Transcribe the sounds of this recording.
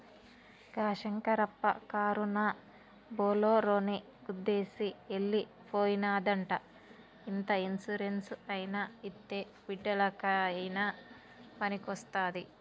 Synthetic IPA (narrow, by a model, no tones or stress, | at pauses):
ɡaːʃɐŋkɐɾɐpːɐ̰kaːɾuna | boːloːɾoːni | ud̪ːe̞ːsielːi | poːjinaːd̪ɐɳʈɐ | int̪ɐinsuɾensɐjinait̪ːeː | biɖːɐlɐkɐjna | pɐnikɐst̪aːd̪i